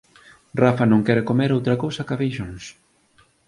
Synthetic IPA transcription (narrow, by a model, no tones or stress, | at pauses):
rafanõŋkɛɾɪkomeɾowt̪ɾɐkowsɐkaβejʃons